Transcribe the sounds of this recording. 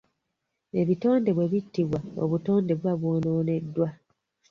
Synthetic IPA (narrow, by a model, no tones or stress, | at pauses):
e̞βito̞ːnde̞βwe̞βitːiβwao̞̰βuto̞ːnde̞βwaβwoːnoːne̞dːwa